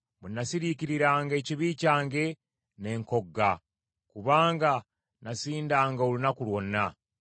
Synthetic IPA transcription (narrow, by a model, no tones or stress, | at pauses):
munːasiɾiciɾiɾaːŋɡe̞ːciβiːcaːŋɡe̞ | ne̞ŋko̞ɡːa | kuβaːŋɡa | nasiːndaːŋɡaolunakulwo̞nːa